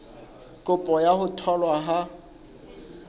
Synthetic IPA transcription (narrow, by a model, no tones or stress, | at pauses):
kʼʊpʼɔjahʊtʰɔlwaɦa